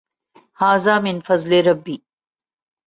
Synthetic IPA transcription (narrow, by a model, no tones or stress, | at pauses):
haːzaːmɪnfɐzleɾɐbːi